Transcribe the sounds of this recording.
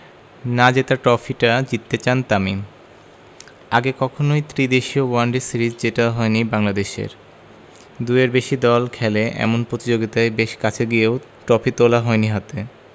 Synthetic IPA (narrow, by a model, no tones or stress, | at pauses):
nad͡ʑet̪aʈɔfʰiʈad͡ʑit̪ːet͡ɕant̪ami | aɡekɔkʰonojt̪ɾid̪eʃiowaɳɖesiɾid͡ʑd͡ʑeʈaɦɔenibaŋlad̪eʃḛɾ | d̪ueɾbeʃid̪ɔlkʰɛleʔɛ̰monpɾot̪id͡ʑoɡit̪aebeʃkat͡ɕʰeɡijeo | ʈɔfit̪olaɦɔeniɦat̪e